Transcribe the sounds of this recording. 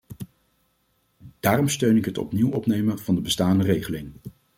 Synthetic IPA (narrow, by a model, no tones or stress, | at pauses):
d̥aːrɔmstøɥnɪkɦətɔ̰pniwɔpnejməvɑndəbəstaːndərejχəlɪŋ